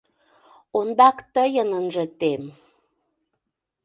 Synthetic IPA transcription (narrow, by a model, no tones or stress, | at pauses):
ond̪ɑkt̪əjənənʒə̆t̪em